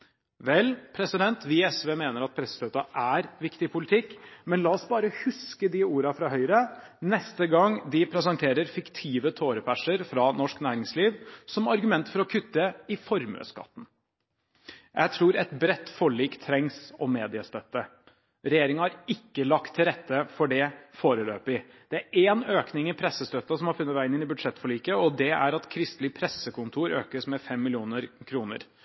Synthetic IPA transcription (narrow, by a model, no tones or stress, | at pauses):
ʋɛlpʰɾɛsɪd̪ɛnt̪ʋɪɛsʋeːmeːnəɾɑt̪̚pʰɾɛsːə̥st̪øːt̪ɑʔæɾʋɪkt̪ɪpʰʊlɪt̪ʰɪkːmɛnlɑːɔsbɑːɾəhʉskəd̪ɪuːɾɑfɾɑɦœʏɾənɛst̪əɡɑŋd̪ɪpʰɾɛsɑnt̪ʰeːɾəɾfɪkt̪ʰiːʋət̪ʰoːɾəpʰæʂəɾfɾɑnɔʂknæːɾɪŋsliːʋsɔmɑɾɡʉmɛnt̪fɔɾɔkʰʉt̪ːəɪfɔɾmø̰ːskɑ̰t̪ːn̩ | jʔæɪt̪ʰɾuːɾɛt̪bɾɛt̪ːfɔɭiːkt̪ʰɾɛŋsɔmeːd̪ɪəst̪œt̪ːə | ɾɛjeːɾɪŋəhɑɾɪkːəlɑkt̪ʰːɪlɾɛt̪ːəfɔɖɛfoːɾəløːpɪ | d̪̥ɛæɾeːnøːknɪŋɪpʰɾɛsəst̪øt̪ːɑsɔmhɑɾfʉnːəʋæɪɪnɪnɪbʉd̪ʂɛt̪ːfɔɭiːkəɔd̪ɛæ̰ɾɑt̪kʰɾɪst̪lɪpʰɾɛsːəkʊnt̪ʰuːɾø̰ːkəsmɛfɛmːɪlɪuːnəɾkʰɾuːnə̰ɾ